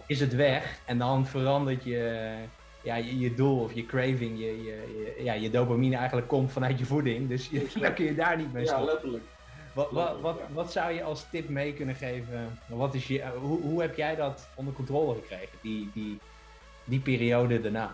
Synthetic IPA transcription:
ɪs̬ətʋɛχɛndɔnfərɑndəɹtjə | jajədulˠɔfjəkrejvɪŋjəjəəjajədowpaminəɛjɣən̩tləkːomtfɔnœɥtjəvudɪŋdøsdakøjədaːɹnit̚mejɛələk | ʋɔʋɔʋɔtʋɔtsawjəʔɔlˠstɪpmejkɵnəχejvəaʋɔtɪsjəɦuɦuɦɛpjɛjdɔt | ondərkɔ̃ntroːləχəkrejɣəndidi | dipeːriowdədəɹnaː

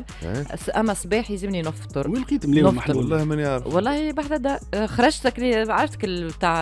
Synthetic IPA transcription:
sʔæmːæsˤbiːħjzɪmninʊft̪ˤʊɾˤwɪlqiːt̪lenʊft̪ɾlˤːɑːmænjɑɾwɑlˤːɑːhibaħd̪æd̪æxɑɾˤɑʒt̪ækliʕaɾɪft̪ɪkɪlbt̪aʕ

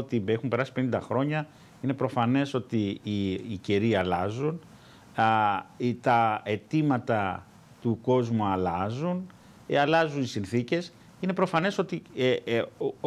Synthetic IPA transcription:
ot̪ibexumpe̞ɾɐsi̥pe̞nind̪ɐxɾo̞ɲɐ | ine̞pɾo̞fɐne̞so̞t̪iː | ceɾiɐlɐzun | t̪ɐe̞t̪imɐt̪ɐ | t̪uko̞zmuɐlɐzun | ɐlɐzunisinθice̞s | ine̞pɾo̞fɐne̞so̞t̪i

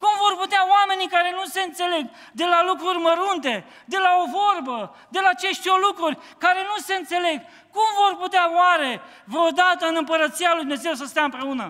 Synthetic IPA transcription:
kumvorput̪eaoame̞nikaɾe̞nuse̞ɨnt̪se̞le̞ɡ | d̪e̞lalukɾurʲməɾunt̪e̞ | d̪e̞lao̞vo̞rbə | d̪e̞laːt͡ʃe̞ʃt̪olukɾurʲ | kaɾe̞nuse̞ɨnt̪se̞le̞ɡ | kumvo̞rput̪eawaɾe̞ | vɾeod̪at̪əɨnɨmpəɾət̪sijalujd̪meze̞wsəst̪eaɨmpɾe̞unə

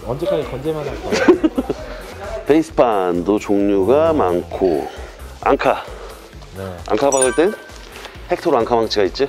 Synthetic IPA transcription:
ʌnd͡ʑekʰaɡekʌnd͡ʑemanakʰo | peisʰɯ̥pʰandot͡ɕoŋɲuɡamankʰo | a̰ŋkʰa | na̰ŋkʰabadɯɭt͈e | hek̚tʰoɾoaŋkʰamaŋt͡ɕʰiɡait̚t͡ɕ͈i

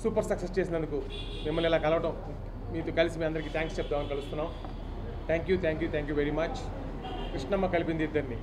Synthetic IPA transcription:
suːpɐɾsɐksest͡ʃe̞ːs̬indɐnd̪uku | mimːɐlːɛlaːkɐlɐʋɐʈɐm | miːt̪okɐlisimiːɐnd̪ɐɾikiːt̪ʰaːŋkst͡ʃɛp̚t̪aːmɐnikɐlust̪unːaːm | t̪ʰaːŋkjut̪ʰaːŋkjuːt̪ʰaːŋkjuːʋeɾimɐt͡ʃ | kɾiʂʈnɐmːɐkːɐlipind̪iːd̪ːɐɾni

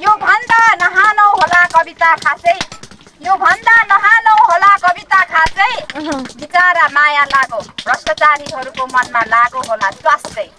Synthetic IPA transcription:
jobʱʌnd̪anʌɦalʌw̃ɦolakʌbit̪akʰasʌj | jobʱʌnd̪anʌɦalʌw̃ɦolakʌbit̪akʰasʌjbʱit͡saɾamajalaɡobrʌst̪ʌt͡saɾiɦʌɾukomʌnmalaɡoɦolaswast̪ʌj

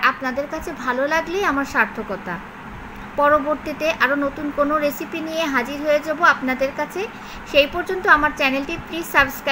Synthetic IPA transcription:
apnad̪eɾkat͡ɕʰebʱalolaɡleamaɾʃaɾt̪ʰokɔt̪a̰ | pɔɾoboɾt̪it̪eʔaɾonot̪unkonoɾesipinijeɦad͡ʑiɾɦoed͡ʑaboapnad̪eɾkat͡ɕʰe | ʃejpɔɾd͡ʑont̪oamaɾt͡ɕɛnelʈipɾisaɾbskɾa

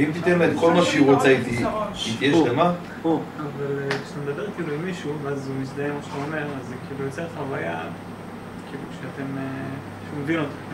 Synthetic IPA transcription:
imt̪it̪emetko̞lmaʃeiʁot͡sait̪iit̪ijelema | uavalekʃemed̪abeʁkiluimiʃuvazumisd̪ajemaʃet̪aome̞ʁazkiilujot͡seχavaja̰ | kiluʃeat̪e̞me | ʃeumevinot̪χem

